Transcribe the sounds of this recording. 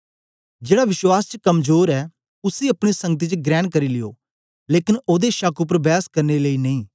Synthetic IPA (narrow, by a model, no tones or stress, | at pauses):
d͡ʒeːɽaːʋɪʃwaːst͡ʃəkəmzoːɾɛː | ʊsiːɐpɽ̃isə̃ŋɡət̪̬iːt͡ʃɡɾɛːnkəɾiːlɪjo̰ː | leːkɪnoːd̪eʃakʊp̬əɾbɛːskəɾneləiːnɐĩː